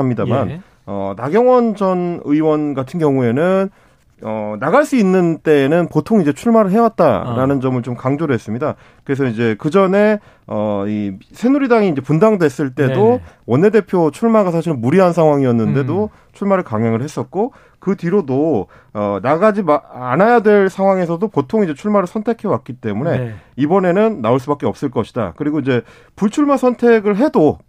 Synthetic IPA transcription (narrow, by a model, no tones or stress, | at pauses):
mɲidaman | ʌ̰naɡjʌŋwʌnd͡ʑʌnɯiwʌnɡatʰɯnɡjʌŋue̞nɯn | ʌnaɡaɭs͈uinːɯnt͈e̞ːnɯnpotʰoŋid͡ʑet͡ɕʰuɭmaɾɯɭɦewat̚t͈a̰ɾanɯnd͡ʑʌmɯɭt͡ɕomkaŋd͡ʑoɾɯɭɦes͈ɯmɲida | kɯɾe̞s̬ʰʌid͡ʑe̞kɯd͡ʑʌne̞ | ʌisʰe̞nuɾidaŋiːd͡ʑe̞pundaŋdwe̞s͈ɯɭt͈e̞dowʌnːe̞depʰjot͡ɕʰuɭmaɡas̬ʰaɕʰiɾɯnmuɾiɦansʰaŋɦwaŋiʌnːɯnde̞do | t͡ɕʰuɭmaɾɯɭkaŋɦjaŋɯɭhe̞s͈ʌt̚k͈o | kɯtiɾodo | ʌnaɡad͡ʑimaanajadwe̞ɭsʰaŋɦwaŋe̞s̬ʰʌdopotʰoŋid͡ʑe̞t͡ɕʰuɭmaɾɯɭsʰʌntʰe̞kʰe̞wat̚k͈it͈e̞mune̞ibʌne̞nɯnːaoɭs̬͈ubak͈e̞ʌp̚s͈ɯɭk͈ʌɕʰi̥da̰kɯɾiɡoid͡ʑe̞ | puɭt͡ɕʰuɭmasʰʌntʰe̞ɡɯɭɦe̞do